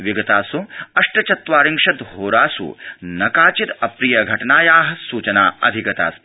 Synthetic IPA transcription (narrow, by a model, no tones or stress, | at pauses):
ʋiɡɐt̪aːsuɐʂʈɐt͡ʃɐt̪ʋaːɾiŋʂɐt̪ɦoːɾaːsṵnɐkaːt͡ʃit̪ɐpɾijɐɡʱɐʈɐnaːjaːɦɐ̆suːt͡ʃɐnaːɐ̰d̪ʱiɡɐt̪a̰ːs